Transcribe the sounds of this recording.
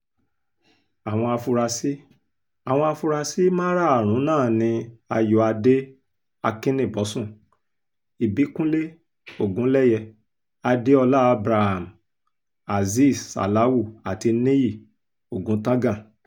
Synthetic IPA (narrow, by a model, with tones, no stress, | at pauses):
a˨w̃ɔ̃˧a˧fu˧ɾa˧si˦ | a˨w̃ɔ̃˧a˧fu˧ɾa˧si˦mã˦ɾa˦a˨ɾ̃ũ˨˦nãː˦˨nĩ˧a˧jɔ˧˦a˧de˦ | a˧kĩ˦nĩ˦˨bɔ˨˦sũ˦˨ | i˨bi˨˦kũ˦le˦ | o˦˨ɡũ˨˦lɛ˦jɛ˧ | a˧de˦ɔ˧la˦a˧bɾa˧ha˨m˨ | a˨zi˦˨sa̰˨la˨˦wu˦˨a˨ti˧nẽ˦i˦˨ | o˨ɡũ˨˦tã˦ɡã˦˨